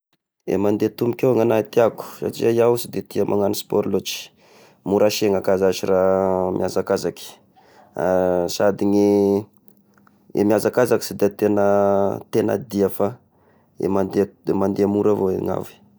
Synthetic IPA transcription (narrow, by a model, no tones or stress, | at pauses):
ḛmand̪et̪umikʲewaŋanat̪iaku̥sa̰ʈ͡ʂḭzajawusid̪et̪iamʔaŋanispɔɾlot͡ʃi̥ | muɾaʃeŋakazaʃiramʔjʔazakazaki̥ | asad̪iɲi | ḛmiazakazaki̥sid̪eat̪enət̪ena̰d̪iafa | ḛmand̪emand̪eamuɾavoḛŋa̰vi̥